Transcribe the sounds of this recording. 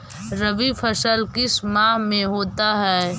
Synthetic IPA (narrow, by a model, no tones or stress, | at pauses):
ɾɐʋifʰɐsəlkɪsmãːɦmẽɦoːt̪aɦɛː